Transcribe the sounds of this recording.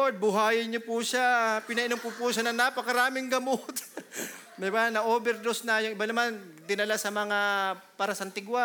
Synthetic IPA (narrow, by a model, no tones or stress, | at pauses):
od̪̚bʊɦaːjɪɲopʊʃapɪnɐʔɪnomkʊpuʃanɐnapɐkɐɾaːmɪŋɡɐmot̪ | d̪ɪbanɐʔoːbɛɾd̪osnɐjʊŋɪbanɐmand̪ɪnɐlasɐmɐŋapaːɾɐsɐnt̪ɪɡwa